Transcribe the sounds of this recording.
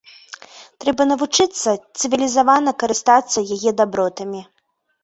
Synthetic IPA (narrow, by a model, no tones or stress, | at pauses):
t̪ɾɛbɐnɐvut͡ʂɨt̪sːɐt̪sɨvʲilʲizavanɐkɐɾɨst̪at̪sːɐjajɛd̪abɾɔt̪ɐmʲi